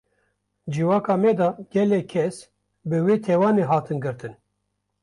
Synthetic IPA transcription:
d͡ʒiwɑːkɑːmɛd̪ɑːɡ̥ɛlɛkʰɛs | bɨweːt̪ʰɛwɑːneːɦɑːt̪ɨnɡɨɾt̪ɨn

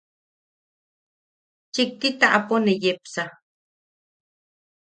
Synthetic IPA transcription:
t͡ʃik̚t̪it̪aʔaponejepsa

